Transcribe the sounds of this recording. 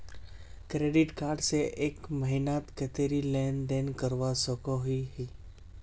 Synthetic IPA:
kɾeːɖɪʈkaːɾɖseʔeːkməɦɪnaːt̪kət̪eɾilɛːnɖ̪eːnkəɾʋasəkoɦiɦi

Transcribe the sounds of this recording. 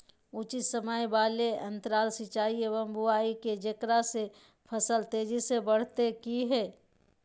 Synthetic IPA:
ut͡ʃisəməjbaːleɐ̃nt̪əɾaːlsɪt͡ʃaːiebə̃mbʱʊaːiked͡ʒɐkɾase | pʰəsəlt̪eːd͡ʒisebəɽ̤t̪ekiɦɛː

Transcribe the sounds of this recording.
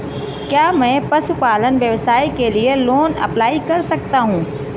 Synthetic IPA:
kjaːmɛ̃ːpɐʃupaːlənʋjɐʋsaːikelieloːnɐ̰plaːikɐɾsɐk̚t̪aɦũː

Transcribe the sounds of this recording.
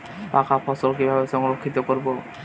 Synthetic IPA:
pakʰafʰɔsolkibʱabeʃɔŋɾokʰːit̪okoɾbo

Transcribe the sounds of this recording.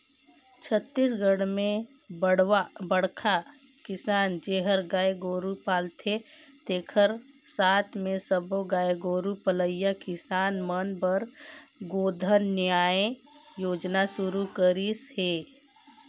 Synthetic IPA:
t͡ʃʰət̪ːisɡəɽmẽ | ɽbəɽkʰakɪsaːnd͡ʒeːɦəɾɡaːeɡoːɾupaːlt̪ʰe | t̪eːkʰəɾ | saːt̪ʰmẽsəboɡaːeɡoːɾupələjakɪsaːnmənbəɾɡoːd̪ʱənːjaːẽ | joːd͡ʒnasʊɾukəɾisheː

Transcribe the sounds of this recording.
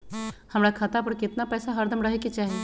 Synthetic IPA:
hɐmɾakʰat̪apəɾkɪt̪napɛːsaɦɐɾd̪ʱəmɾɐɦeket͡ʃaːɦeː

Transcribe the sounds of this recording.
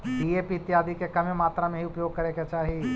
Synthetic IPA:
ɖiːeːpiɪt̪jaːd̪ʱikekɐmẽmaːt̪ɾamẽɦiʊpjoːɡ̚kɐɾẽket͡ʃaːɦi

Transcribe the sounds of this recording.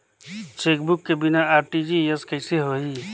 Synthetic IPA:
t͡ʃeːkbʊkːebɪnaaːɾʈid͡ʒijɐskəɪseɦoiː

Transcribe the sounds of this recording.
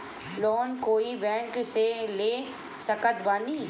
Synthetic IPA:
lɔːnkoːibɛ̃ːŋkseleː | sɐkət̪baniː

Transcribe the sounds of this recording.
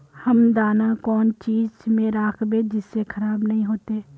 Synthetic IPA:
hɐmd̪aːnakɔːnt͡ʃiːd͡ʒmẽɾaːkʰbẽd͡ʒɪsːekʰɐɾaːbnɐɦĩɦoːt̪eː

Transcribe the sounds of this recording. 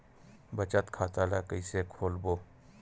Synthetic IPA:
bət͡ʃət̪kʰaːt̪alakəisekʰoːlboː

